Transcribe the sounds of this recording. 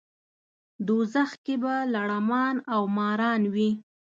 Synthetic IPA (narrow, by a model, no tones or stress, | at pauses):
d̪ozaxkebalaɽamɑnawmɑɾɑnwi